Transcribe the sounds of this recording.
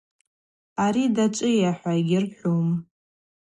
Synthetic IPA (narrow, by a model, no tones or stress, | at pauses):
aɾidat͡ʃʷʼɨjaħʷaiɡʲɪrħʷᶣom